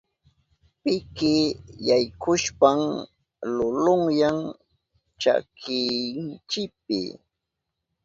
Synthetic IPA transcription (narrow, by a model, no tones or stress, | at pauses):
pɪkɪjajkʰʊʃpam | lʊlʊŋjaŋ | t͡ʃa̰kʰɪnt͡ʃɪp̚ɪ̰